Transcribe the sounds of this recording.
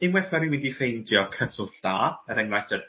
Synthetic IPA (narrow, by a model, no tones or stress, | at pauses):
ɪmwɛθmɛɾiwindifejndjɔkʰəsʊvd̥aːəɾɛŋrajdər